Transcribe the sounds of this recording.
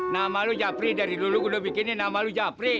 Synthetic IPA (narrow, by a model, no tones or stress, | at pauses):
namalud͡ʒapɾidaɾiloluɡulobikininamalud͡ʒapɾi